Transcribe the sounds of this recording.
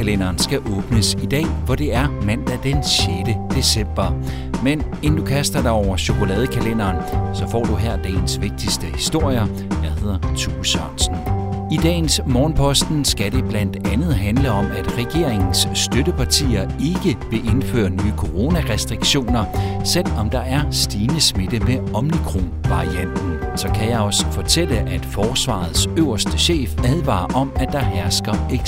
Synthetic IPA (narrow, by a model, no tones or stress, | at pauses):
ælenɐːnsɡ̥æʔɔ̽ːb̥nəsid̥ɛ̰ːʋɒd̥e̝æɐmæn̰d̥æd̥enɕjeːd̥əd̥e̝sem̰b̥ɐ | men | end̥ukʰæsd̥ɐd̥ɑ̈ɒʊɐɕo̝kʰo̝lɛːð̞ˠəkʰælen̰ɐːnsɒ̽fɒ̰ːd̥uɦeɐ̰d̥ɛ̰ːnsʋe̝ɡ̥̚d̥isd̥əhisd̥o̝ɐ̰jɐ | jɑhe̝ð̞̰ˠɐt͡sʰṵːsɑnsn̩id̥ɛ̰ːnsmɒːnpʰɒ̽sd̥n̩sɡ̥æɾe̝b̥læn̰d̥ænð̞̩ˠɦænləɒ̽mæd̥ʁɛɡ̥e̝ɐ̰e̝ŋn̩sd̥øɾəpʰɑ̈t͡sʰḭːɐe̝ɡ̥əb̥e̝ʔe̝nfø̰ːɐnyːkʰo̝ʁo̝ːnæʁɛsd̥ʁiɡ̥ɕo̝̰ːnɐsel̰ɒ̽md̥ɑ̈æɐsd̥iːnəsmed̥əmeɒ̽mnikʰʁo̝̰nʋɑ̈ʁiæn̰d̥n̩sɒ̽kʰæjɑ̈ɒ̽sfɒt͡sʰel̰əʔæd̥fɒːsʋɑ̰̈ð̞̩ˠsøʊ̰ɐsd̥əɕḛːfæðˠʋɑ̰̈ːʔɒ̽mæd̥ɑ̈ɦæɐsɡ̥ɐeɡ̥